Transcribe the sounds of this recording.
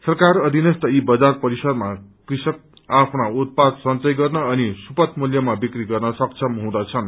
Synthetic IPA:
sʌrkarʌd̪ʱinʌst̪ʌibʌd͡zarpʌɾisʌd̪makrisʌk̚ | apʰnaut̪̚pad̪sʌnt͡sʌjɡʌrnʌːnisupʌt̪muljʌmabikriɡʌrnʌsʌk̚t͡sʰʌmɦũd̪ʌt͡sʰʌn

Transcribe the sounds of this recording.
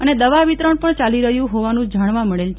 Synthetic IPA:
əned̪əʋaʋit̪ɾəɳpəɳt͡ʃaliɾəɦjũɦoʋanũd͡ʒaɽ̃ʋaməɭelt͡ʃ

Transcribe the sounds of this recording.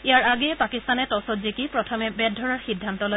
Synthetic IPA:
ijaɹaɡɛpakist̪anɛtɔsɔtzikipɹɔtʰɔmɛbɛd̚ʱːɔɹaɹxidʱːantɔlo

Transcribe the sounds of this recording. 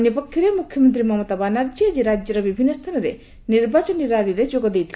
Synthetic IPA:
njɔpəkʰjiɾemukʰjɔmənt̪ɾimɔmɔt̪abanaɾd͡ʒjəd͡ʒeɾad͡ʒjɔɾɔbibʱinːɔst̪ʰanɔɾḛ | niɾbat͡ʃɔniɾaɾiɾed͡ʒoɡɔd̪ejt̪ʰi

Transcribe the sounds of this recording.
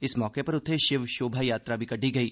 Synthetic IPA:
ɪsmɔːkepɐɾʊt̪ʰːeʃɪʋʃoːbʱajaːt̪ɾabʱikɐɖʱiɡɐiː

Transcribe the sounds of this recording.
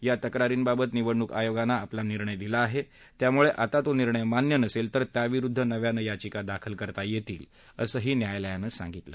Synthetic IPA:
jat̪əkɾaɾiːnbabət̪niʋəɳːukajoɡanːaːplaniɾɳəjd̪ilaːɦe | t̪jamuɭeʔat̪at̪oniɾɳəjmanjənəselt̪əɾt̪jaʋiɾud̪ʱːənəʋjanəjat͡ɕikad̪akʰəlkəɾt̪ajet̪ḭːl | əsəːɦiːnjajləjanəsã̰ŋɡit̪lə̰

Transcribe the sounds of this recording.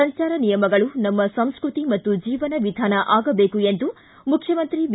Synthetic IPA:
ɐɲt͡ʃaːɾɐnijɐmɐɡɐɭunɐmːɐsɐ̃m̃skɾut̪imɐt̪ːud͡ʒiːʋɐnɐʋid̪ʱaːnɐʔaːɡɐbeːkue̞nd̪u | mukʰjɐmɐnt̪ɾiʋ

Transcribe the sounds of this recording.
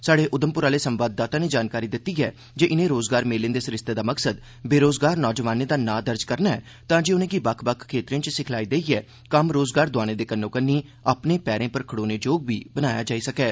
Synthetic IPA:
saːɽeːʔʊd̪əmpʊɾaːleːsəmʋaːd̪̚ːaːt̪ãːneːd͡ʒaːnkaːɾiːd̪ɪt̪ːiːɛː | d͡ʒeːʔɪnẽːɾoːzɡaːɾmeːlẽnd̪eːsɪɾɪst̪eːd̪aːməksəd̪ | beːɾoːzɡaːɾnɔːd͡ʒəʋaːneːd̪aːnãːd̪əɾd͡ʒkəɾnaːɛ̰ː | t̪ãːd͡ʒeːʊnẽːɡiːbəkʰbəkʰkʰːeːt̪ɾɪãːt͡ʃsɪkʰlaːiːd̪eːiɛː | kəmɾoːzɡaːɾd̪ʊaːɽ̃ẽːd̪eːkənːõːkənːiː | aːpneːpɛːɾẽːpəɾkʰəɽoːneːd͡ʒoːɡʋiːbənaːja̰ːd͡ʒaːiːsəkɛː

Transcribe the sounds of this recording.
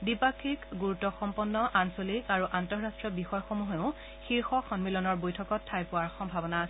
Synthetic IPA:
dipakʰikɡuɹutːɔxɔmpɔnːɔʔansolikaɹuʔantɔɹɹastɹɔbixɔjxomuɦeʊ̃ | xiɹxɔxɔnmilɔnɔɹbojtʰɔkɔtʰːajpʊwaɹxɔmbʱabɔnaːsɛ

